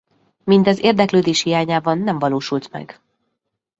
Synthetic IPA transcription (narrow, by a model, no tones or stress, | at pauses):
mint̪ɛzeːrd̪ɛkløːd̪eːʃhijaːɲaːbɒnːɛɱvɒloːʃult̪mɛ̰ɡ